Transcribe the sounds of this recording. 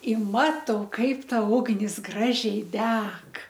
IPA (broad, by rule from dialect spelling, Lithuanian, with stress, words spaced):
ɪ ˈmɑːtɐʊ ˈkɐɪp ˈtɐ ˈʊɡnʲɪs ˈɡrɑːʒʲɛɪ ˈdʲɛk